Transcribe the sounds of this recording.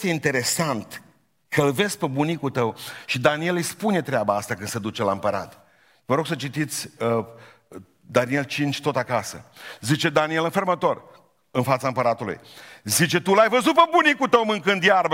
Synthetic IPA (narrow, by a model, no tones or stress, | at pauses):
st̪eint̪e̞ɾe̞sant̪ | kʰəɨlve̞zpebunikut̪əwʃid̪anie̞lɨjspune̞t̪ɾeabaast̪akɨnsed̪ut͡ʃelaɨmpəɾa̰t̪ | vəɾo̞ɡsət͡ʃit̪it̪sʲə | d̪anie̞lt͡ʃint͡ʃʲt̪o̞t̪akasə̰zit͡ʃe̞d̪anie̞lɨnfermət̪o̞r | ɨnfat̪saɨmpəɾat̪ulṵjzit͡ʃe̞t̪ulajvəzut̪̚pebunikut̪əwmɨŋkɨnd̪jarbə